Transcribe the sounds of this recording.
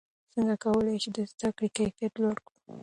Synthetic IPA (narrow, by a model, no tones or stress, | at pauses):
səŋɡakawəlajʃid̪əzd̪akɽikafijat̪laɽkɽu̥